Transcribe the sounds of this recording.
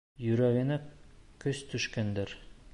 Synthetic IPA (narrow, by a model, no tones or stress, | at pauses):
jɵ̆ɾæɡɘ̆nækɵst̪ɵ̆ʃkænd̪ɘɾ